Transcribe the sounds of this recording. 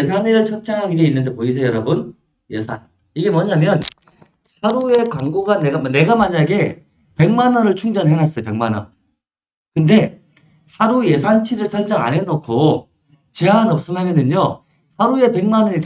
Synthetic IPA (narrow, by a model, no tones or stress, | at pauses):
esʰaniɾɯɭt͡ɕʰʌt͡ɕ͈aŋɦaɡideinːɯnde̞poisʰʌjʌɾʌbɯn | je̞sʰan | iɡe̞mwʌɲamjʌn | haɾue̞kwaŋɡoɡane̞ɡamne̞ɡamaɲaɡe̞ | pe̞ŋmanʌɾɯɭt͡ɕʰuŋd͡ʑʌnɦeŋɦas͈ʌjope̞ŋmanʌ̰ | kɯnde̞ | haɾuje̞sʰant͡ɕʰiɾɯɭsʰaɭd͡ʑʌa̰nenokʰo | t͡ɕeanʌp̚s͈ɯmɦamjʌnɯɲo | haɾue̞pe̞ŋmanʌnit